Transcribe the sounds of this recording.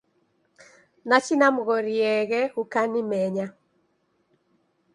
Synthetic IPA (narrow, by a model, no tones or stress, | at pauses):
nat͡ʃinamɣɔɾiɛɣɛukanimɛɲa